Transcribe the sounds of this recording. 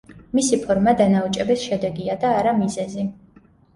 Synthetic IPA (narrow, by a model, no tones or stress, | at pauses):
misipʰɔɾmad̪anaut͡ʃʼɛbɛsʃɛd̪ɛɡiad̪aːɾamizɛzi